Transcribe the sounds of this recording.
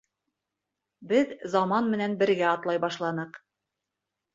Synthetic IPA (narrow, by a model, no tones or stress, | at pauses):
bɘðzɑmɑnmɘ̆nænbɘ̆ɾɡæɑt̪lˠɑjbɑʃlˠɑnɤq